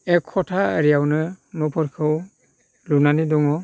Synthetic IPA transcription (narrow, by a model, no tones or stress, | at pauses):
ɛkʰːɔtʰaəɾijawnɯnɔpʰɔɾkʰɯw | lunanidɔŋɔ